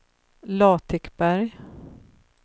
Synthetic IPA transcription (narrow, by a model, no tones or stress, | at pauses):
lɑːt̪ʰɪkbæɾj